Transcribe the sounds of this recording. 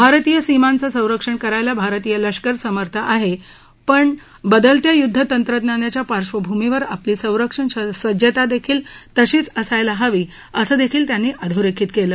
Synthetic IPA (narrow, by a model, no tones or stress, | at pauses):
bʱaɾt̪iːjəsimant͡səsə̃w̃ɾəkʂəɳkəɾajlabʱaɾt̪iːjələʂkəɾsəməɾt̪ʰəʔaɦe | pəɳ | bəd̪əlt̪jajud̪ʱːət̪ənt̪ɾət̪njanjat͡ɕjapaɾʂʋəbʱumiʋəɾapliːsə̃w̃ɾəkʂəɳɕəsəd͡ʑət̪ad̪ekʰiːlt̪əɕiːt͡səsajlaɦaʋiː | əsəːd̪ekʰiːlt̪janːiːʔəd̪ʱəwɾekʰiːt̪keləː